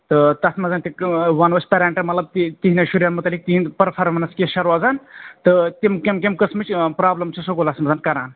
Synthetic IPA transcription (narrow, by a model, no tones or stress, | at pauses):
t̪ɨt̪ɐsmɐzaːnt̪iʋɐnʋɐsʲpɐɾaːɳʈɐmɐt̪lɐb̚t̪it̪iɦinɐʃuɾjaːnmɐt̪ɐlːik̚t̪iinpɐɾpʰaɾmɐnɐskʲeʃɐɾʋaːzant̪ɨt̪imkʲemkʲemkəsmɨt͡ʃʰʲpɾaːblɐmt͡ʃʰisoɡolɐsmɐzaːnkɐɾaːn